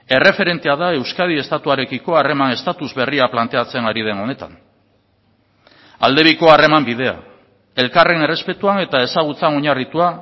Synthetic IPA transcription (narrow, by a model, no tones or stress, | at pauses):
e̞re̞fe̞ɾe̞nt̪eaðae̞wskað̞ie̞st̪at̪uaɾe̞kiko̞are̞mane̞st̪at̪uzβe̞riaplant̪e̞at͡se̞ŋaɾiðe̞no̞ne̞t̪a̰n | a̰ld̪e̞βiko̞are̞mambiðe̞a̰ | e̞lkare̞ne̞re̞spe̞t̪uane̞t̪ae̞saɣ̞ut͡sano̞ɲarit̪ua